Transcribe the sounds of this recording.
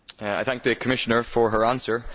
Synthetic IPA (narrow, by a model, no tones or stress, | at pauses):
a̰ɪθæ̃ŋk̚ðəkʰəmɪʃənə˞fəɹə˞ãnsə˞